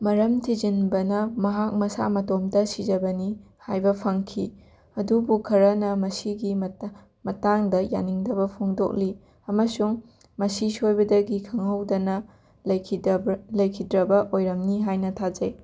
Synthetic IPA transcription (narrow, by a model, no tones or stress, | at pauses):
mɐɾɐmtʰid͡ʒinbɐnɐmɐɦak̚mɐsa̰mɐtomdɐsid͡ʒɐbɐni | hajbɐpʰɐŋkʰi | ɐdubukʰɐɾɐnɐmɐsiɡimɐ | mɐtaŋdɐja̰niŋdɐbɐpʰoŋdo̰k̚li | ɐmɐsuŋ | mɐsisojbɐdɐɡikʰɐŋɐwdɐnɐ | lɐjkʰidlɐjkʰidɾɐbɐʔojɾɐmniɦajnɐtʰad͡ʒɐj